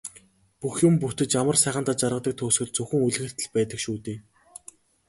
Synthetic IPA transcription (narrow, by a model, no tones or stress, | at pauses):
puxjʊmput̪ɘ̆t͡ɕamə̆rsæːχə̆nt̪aːt͡ɕarʁə̆t̪ə̆k̚t̪ʰʊːsɵ̆t̪̚t͡sɵxɵ̆ŋuɮɣɘ̆r̥t̪ʰɘ̆ɮpæːt̪ə̆kʃuːt̪eː